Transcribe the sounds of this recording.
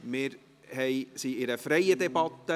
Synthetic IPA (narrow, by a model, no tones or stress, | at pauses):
mɪɾ | hɛɪsiɪɾəfɾɛjəd̪ɛbɑt̪ːə